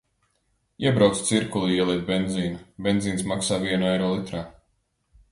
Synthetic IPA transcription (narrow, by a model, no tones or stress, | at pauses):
iɛbɾawt̪st̪siɾkulˠiiɛlˠiɛt̪̚bend̪ziːnubʲɛnziːnsmaksaːviɛnuɛjɾɔːlˠit̪ɾaː